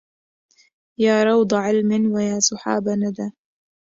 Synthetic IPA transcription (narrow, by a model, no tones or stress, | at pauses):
jaːɾˤɑwd̪ˤɑʕɪlmɪnwajaːsɑħa̰ːbanad̪aː